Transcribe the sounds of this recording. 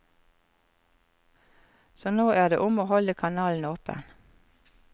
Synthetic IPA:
soːnoːʔæːd̪ḛːʔʊmoːhɔləkʰɑnɑːln̩oːpə̰n

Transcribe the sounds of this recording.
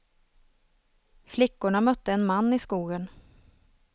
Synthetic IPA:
flɪkːʊɳamœt̪ːəɛnmanːɪskuːɡən

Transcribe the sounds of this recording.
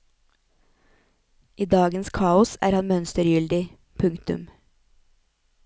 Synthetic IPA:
ʔiːd̪ɑːɡənskʰɑːʊsæ̰ːɾhɑnmœnst̪əɾjʏld̪ɪ | pʰʉŋkt̪ʉ̰m

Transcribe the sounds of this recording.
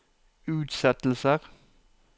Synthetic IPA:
ʉːt̪sɛt̪l̩səʁ

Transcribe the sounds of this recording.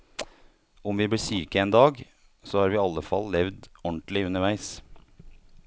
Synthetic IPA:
ʊmʋiːbliːʂyːkəeːnd̪ɑːɡ | soːhɑːɾʋiːɑlːəfɑ̰lːɛʋd̪ɔɳʈ̪lɪʉnəɾʋæɪs

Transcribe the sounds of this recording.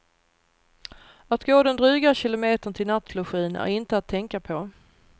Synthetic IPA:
at̪ɡoːd̪ɛnd̪ɾʉːɡaɕɪlʊmeːt̪əɳt̪ʰɪlnat̪blʊɧiːnæ̰ɾɪnt̪əat̪ʰːɛŋkapʰɔ

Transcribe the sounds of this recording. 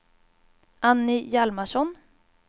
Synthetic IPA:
ʔanːɪjalmaʂɔn

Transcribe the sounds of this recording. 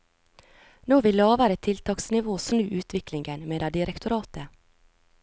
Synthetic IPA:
noːʋɪlɑːʋæːɾət̪ʰɪlt̪ʰɑːksnɪʋoːsnʉːʔʉːt̪ʰʋɪklɪŋɡənmeːd̪ɑd̪ɪɾʔɛkt̪ʊɾɑːt̪ə

